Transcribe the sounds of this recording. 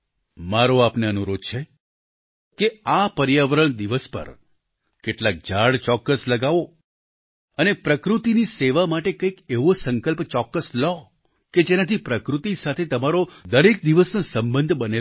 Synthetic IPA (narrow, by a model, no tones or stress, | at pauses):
maɾoapneənuɾod̪̚t͡ʃʰe | keapəɾjaʋəɾəɳ̃d̪iʋəspə̰ɾ | keʈlak̚d͡ʒaɽt͡ʃɔkːəsləɡaʋo | ənepɾəkɾut̪iniseʋamaʈekəikeʋosəŋkəlpt͡ʃɔkːəslɔ | ked͡ʒenat̪ʰipɾəkɾut̪isat̪ʰet̪əmaɾod̪əɾek̚d̪iʋəsnosəmbənd̪ʱbəne